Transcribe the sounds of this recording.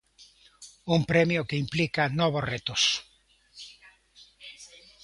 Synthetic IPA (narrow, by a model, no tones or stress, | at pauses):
umpɾemjokeimplikanɔβoret̪os